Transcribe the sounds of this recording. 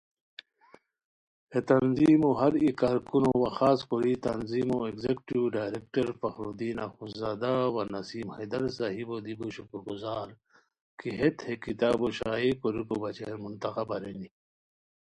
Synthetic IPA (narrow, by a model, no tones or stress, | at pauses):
het̪ɐnziːmoɦɐɾikaːɾkunowaxaːskoɾit̪ɐnziːmoekzekʈiwɖaːjɾekʈɐɾfɐxɾod̪iːnaxuzaːd̪awanɐsiːmhɐ̰jd̪ɐɾsaɦibod̪ibuɕukuɾɡuzaːɾ | kiɦet̪hekit̪aːboɕaːekoɾukobɐt͡ɕḛɾmunt̪axabaɾeni